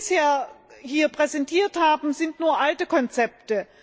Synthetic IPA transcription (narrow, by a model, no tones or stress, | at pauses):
sheːɐhiːɐpʁ̥ɛzɛntʰiːɐthaːbm̩zɪntnuːɐʔaltəkʰɔnt͡sɛp̚tə